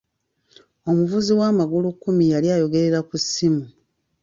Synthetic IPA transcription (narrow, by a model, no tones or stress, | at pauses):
o̞muvuziwaːmaɡulukːumijaljajo̞ɡe̞ɾe̞ɾakusːimu